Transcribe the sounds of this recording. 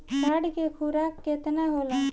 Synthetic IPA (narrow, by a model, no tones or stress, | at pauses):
ʈaːɽkekʰuɾaːkːeːt̪naɦoːla